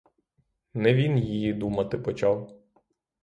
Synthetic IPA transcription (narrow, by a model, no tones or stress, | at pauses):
nɛʋʲinjijid̪umɐt̪ɪpɔt͡ʃɑw